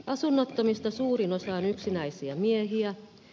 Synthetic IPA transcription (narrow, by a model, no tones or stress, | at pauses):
ɑsunːot̪ːomist̪ɑsuːrinosɑːnyksinæisiæmieɦiæ